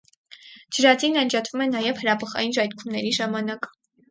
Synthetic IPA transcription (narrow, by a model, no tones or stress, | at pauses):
d͡ʒəɾɑd͡zinɑnd͡ʒɑt̪ʰvumɛnɑjɛvhəɾɑbəχɑ̰jinʒɑjt̪kʰumnɛɾiʒɑmɑnɑk